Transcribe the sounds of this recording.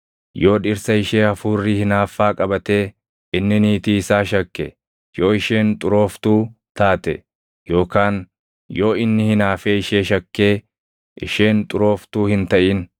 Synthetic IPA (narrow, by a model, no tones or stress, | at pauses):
jo̞ːᶑɪɾsɐɪʃe̞ːɐfuːrːɪhɪnaːfːaːkʼɐbɐt̪e̞ː | ʔɪnːɪniːt̪iːsaːʃɐkːɛ̰ | jo̞ːɪʃe̞ːnt̪ʼʊɾo̞ːft̪uː | t̪aːt̪ɛ̰ | jo̞ːkaːn | jo̞ːɪnːɪhɪnaːfeːɪʃe̞ːʃɐkːe̞ː | ʔɪ̰ʃe̞ːnt̪ʼʊɾo̞ːft̪uːhɪnt̪ɐʔɪːn